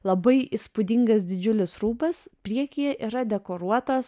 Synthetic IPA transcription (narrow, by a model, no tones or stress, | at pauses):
lˠɐbɐɪʔispʊd̪ʲɪŋɡɐsd̪ʲɪd͡ʒʲʊlʲɪsɾuːbɐsppʲɾʲiɛkʲijɛʔiːɾɐd̪ʲɛkoːɾuɔt̪ɐs